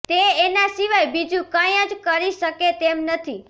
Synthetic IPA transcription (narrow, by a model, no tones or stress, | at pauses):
t̪eːnasiʋajbid͡ʒũkãjə̃d͡ʒkəɾiʃəket̪emnət̪ʰi